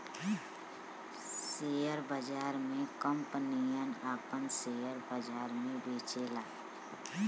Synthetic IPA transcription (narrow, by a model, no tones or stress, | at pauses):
seːjəɾbəd͡ʒaːɾmẽkəmpənijənaːpənseːjəɾbəd͡ʒaːɾmẽbʱeːt͡ʃelaː